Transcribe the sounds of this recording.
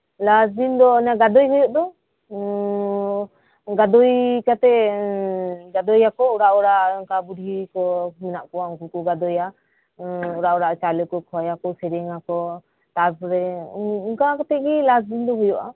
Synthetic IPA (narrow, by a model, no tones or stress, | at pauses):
lasdind̪ɔɔnaɡad̪ɔjɦɔjɔʔd̪ɔ | ɡad̪ɔjkat̪ɛ | ɡad̪ɔjakɔuɾaʔɔɾaʔɔŋkabuɖʱikɔmɛnaʔkɔwauŋkukɔɡad̪ɔja | ɔɾaʔɔɾaʔt͡ʃalɔkɔkʰɔjakɔsɛɾɛŋakɔ | t̪aɾsɾɛuŋkakat̪ɛɡilasd̪ind̪ɔɦɔjɔʔa̰